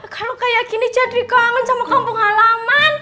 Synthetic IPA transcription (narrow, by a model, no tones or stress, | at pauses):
kalokajaʔkini̥d͡ʒ̥ad̪̚wikɔaŋənsamakampɔŋalaman